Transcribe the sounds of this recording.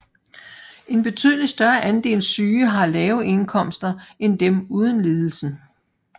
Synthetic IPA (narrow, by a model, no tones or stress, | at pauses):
e̝nb̥e̝t͡sʰy̰ːð̞ˠlisd̥ɶɐʔænd̥e̝̰ːlsyːɦɑ̈lɛːʊʔe̝nkʰɒ̽m̰sd̥ɐend̥emuːð̞ˠənle̝ːð̞ˠl̩sn̩